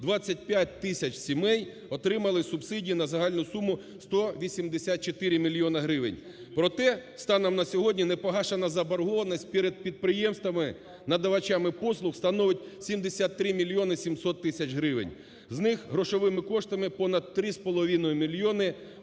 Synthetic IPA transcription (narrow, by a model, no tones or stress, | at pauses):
d̪ʋat͡sʲːɐt̚ʲpʲjat̚ʲt̪ɪsʲɐt͡ʃsʲimɛj | ɔt̪ɾɪmɐlˠɪsʊbsɪdʲiinɐzɐɦɑlʲnʊsumʊ | st̪ɔʋʲisʲimd̪esʲat̪̚t͡ʃet̪ɪɾʲɪmʲilʲjɔnɐɦɾɪʋɪ̰nʲ | pɾɔt̪ɛst̪ɑnɐmnɐsʲɔɦɔdʲnʲinɛpɔɦɑʃenɐzɐbɐɾɦɔʋɐnɔsʲt̚ʲpʲiɾed̪̚pʲid̪̚pɾɪjɛmst̪ʋɐmɪ | nɐd̪ɐʋɐt͡ʃamɪpɔslˠʊxst̪ɐnɔʋɪtʲsʲimd̪esʲat̪ːɾɪmʲilʲjɔnɪsʲimsɔt̪ːɪsʲɐt͡ʃɦɾɪʋɪ̰nʲ | znɪxɦɾɔʃɔʋɪmɪkɔʂt̪ɐmɪpɔnɐd̪t̪ɾɪspɔlˠɔʋʲinɔjʊmʲilʲjɔnɪ